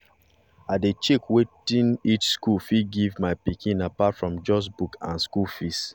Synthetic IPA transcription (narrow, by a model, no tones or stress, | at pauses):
adet͡ʃekwetĩnit͡ʃskulfiɡivmaɪpikĩnapatfɹɔ̃md͡ʒɔsbukã̰nskufist